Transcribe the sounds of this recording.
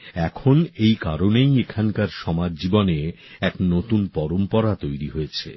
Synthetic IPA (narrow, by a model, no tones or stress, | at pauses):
ɛkʰonejkaɾonejekʰaŋkaɾʃɔmad͡ʑd͡ʑibone | ɛknot̪unpɔɾompɔɾat̪ojɾiɦoet͡ɕʰḛ